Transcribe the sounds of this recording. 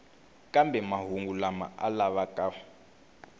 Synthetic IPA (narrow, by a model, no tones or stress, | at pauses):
kʼambɛmaɦuŋɡulama̰ʔa̰laβakʼa